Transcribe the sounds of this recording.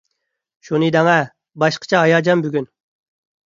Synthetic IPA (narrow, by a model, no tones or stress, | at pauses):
ʃunɨd̪ɛŋɛ | bɑʃqʰə̥t͡ʃʰɛɑjɑd͡ʒɑmbyɡʲyn